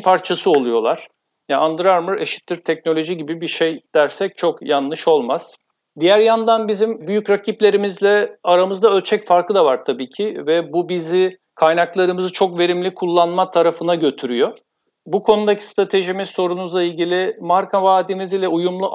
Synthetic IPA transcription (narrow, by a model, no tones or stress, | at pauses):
pʰaɾt͡ʃʰasɯo̞lˠujo̞lˠaɾ̥ | jaand̪ɾaɾmɯɾe̞ʃi̥t̪ʰːiɾt̪ʰɛcno̞lʲo̞ʒiɟibibiʃejd̪̥æɾsɛc̚t͡ʃʰo̞kjanlːˠɯʃo̞lˠmaz̥ | d̪ijæɾjand̪anbizimbyjycɾacʰiplʲe̞ɾimizlʲɛaɾamɯzd̪aølʲt͡ʃʰɛcfaɾkɯd̪avaɾt̪ʰabiːcʰivɛbubizi | kʰajnaklˠaɾɯmɯzɯt͡ʃʰo̞kve̞ɾimlʲikʰulˠːanmat̪ʰaɾafɯnaɟø̞t̪ʰyɾyjo̞ | bukʰo̞nud̪acʰi̥st̪ɾat̪ʰe̞ʒimizso̞ɾunuzlˠailʲɟilʲɪmaɾkʰavaːd̪imizilʲɛujumlˠu